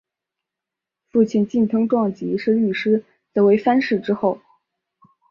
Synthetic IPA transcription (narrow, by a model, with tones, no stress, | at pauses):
fu˥˩t͡ɕʰi˥˩nt͡ɕi˥˩nt̪ʰɤ˥ŋʈ͡ʂwɑ˥˩ŋt͡ɕi˧˥ʂɻ̩˥˧ly˥˩ʂɻ̩˥ | t͡sa˥˩we˧˥ɪfa˥nʂɻ̩˥˩ʈ͡ʂɻ̩˥xo˥˩ʊ